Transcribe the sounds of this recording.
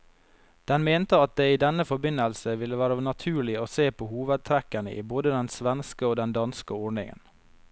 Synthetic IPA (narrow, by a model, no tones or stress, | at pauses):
d̪̥ɛnmeːnt̪əɑt̪̚d̪ɛɪiːd̪ɛnːəfɔbɪnəlsəʋɪlːəʋæːɾənɑt̪ʰʉːɭɪoːseːpʰoːhuːʋəd̪̚t̪ʰɾækənə̰ʔḭːboːd̪əd̪ɛnsʋɛnskəoːd̪ɛnd̪ɑnskəɔːɳɪ̰ŋə̰n